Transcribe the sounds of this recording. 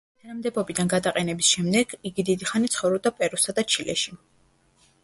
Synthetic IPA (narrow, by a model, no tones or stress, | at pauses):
t̪ʰanamd̪ɛbɔbid̪anɡad̪aqʼɛnɛbisʃɛmd̪ɛɡ̥iɡid̪id̪iχanit̪sʰχɔvɾɔb̚d̪apʼɛɾusad̪at͡ʃʰilʔɛ̰ʃi